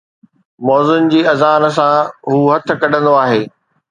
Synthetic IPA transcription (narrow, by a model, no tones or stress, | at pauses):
mɔːzʊnd͡ʑiːɐzaːn̆sãɦuːɦɐt̪̆ʰkɐɖʱə̃nd̪oaːɦeː